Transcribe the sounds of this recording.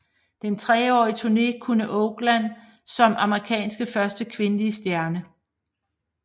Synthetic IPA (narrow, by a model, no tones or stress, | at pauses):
d̥ent͡sʰʁɛːɒ̰ːit͡sʰuɐne̝̰ːkʰunəʔɔʊɡ̥læn̰ | sɒ̽mʔɑ̈məʁikʰɛ̰ːnsɡ̥əfɶɐsd̥əkʰʋe̝nəliəsd̥jæɐnə